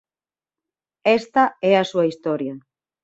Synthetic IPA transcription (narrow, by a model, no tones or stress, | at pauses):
ɛst̪ɐɛɐsuɐist̪ɔɾjɐ